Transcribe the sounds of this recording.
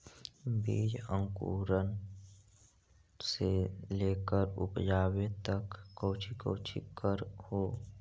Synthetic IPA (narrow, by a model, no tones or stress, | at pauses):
biːd͡ʒə̃ŋkṵːɾən | seleːkəɾʊ̰pd͡ʒaːwet̪əkːəːt͡ʃʰikə̰ːt͡ʃʰḭkəɾhoː